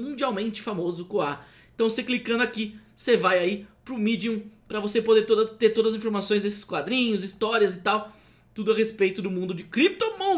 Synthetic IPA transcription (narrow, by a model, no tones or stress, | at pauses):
mũd͡ʒiawmẽnt͡ʃɪ̥famozʊkõa | ẽt̪ɐ̃w̃seklikɐ̃nd̪ʊaki | sevajaipɾʊmid͡ʒiũpɾɐvosepod̪eɾt̪od̪ɐt̪eɾt̪od̪ɐzĩfoɾmasõj̃znesɪ̥skwad̪ɾĩɲʊzist̪ɔɾiɐzɪt̪aw | t̪ud̪ʊɐhespejt̪ʊd̪ʊmũnd̪ʊd͡ʒɪkɾip̚t̪omõ